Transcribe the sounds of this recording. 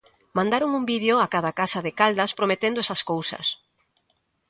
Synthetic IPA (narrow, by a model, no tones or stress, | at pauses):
mãnd̪aɾoŋumbiðeoakaðɐakasɐðɪkald̪ɐspɾomet̪end̪ʊɛsɐskowsɐ̰s